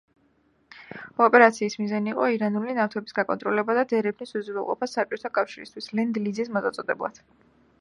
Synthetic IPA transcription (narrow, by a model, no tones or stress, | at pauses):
ɔpʼɛɾat̪sʰiːsmizaniːqʼɔiɾanulinaft̪ʰɛbi̥sɡakʼɔ̰nt̪ʼɾɔlɛbad̪ad̪ɛɾɛpʰnisuzuvɛlˠqʼɔ̰pʰasːap̚t͡ʃʼɔt̪ʰakʼafʃiɾist̪ʰwislɛnd̪lid̪zismɔzat̪sʼɔd̪ɛblˠa̰d̪̥